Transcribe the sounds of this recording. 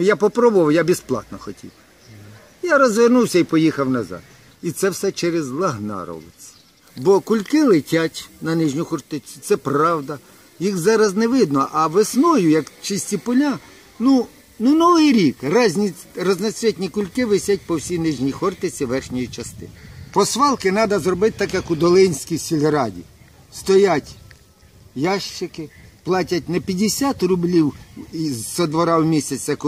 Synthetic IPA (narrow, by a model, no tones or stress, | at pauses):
japɔpɾɔbʊʋɐwjabʲisplˠɑ̰t̪nɔxɔtʲḭw | jaɾɔzʋernuwsʲɐipɔjixɐwnɐzɑ̰d̪ | it̪sɛwsɛt͡ʃɛɾezlˠɐɦnɑ̰ɾɔ̰lˠɪ̰t͡sʲɐ̥ | bɔkʊlʲkɪlˠɪtʲatʲnɐnɪʒnʲʊxɔrt̪ɪt͡sʲʊ̥t̪sɛprɑwd̪ɐ | jixzɑɾɐznɛʋɪd̪nɔʔɐʋesnɔjʊjɐkt͡ʃɪsʲtʲipɔlʲa | nu | nʊnɔʋɪjɾʲikrzʲnʲrɔznɐsʲɾʲɛtʲnʲikʊlʲkɪʋɪsʲat̚ʲpɔwsʲijnɪʒnʲijxɔrt̪ɪt͡sʲiʋɛrxnʲɔjit͡ʃɐst̪ɪ̰pɔsʋɑlˠkɪnɑd̪ɐzrɔbɪt̪t̪ɑkjɐkʊd̪ɔlˠɪnʲsʲkʲijsʲilʲɔɾɑdʲḭ | st̪ɔjatʲ | jɑʃt͡ʃɪkɪplˠɑtʲɐtʲnɛpʲjɐdʲesʲat̪rʊblʲiw | sɔd̪ʋɔɾɑwmʲisʲɐt͡sʲːɐk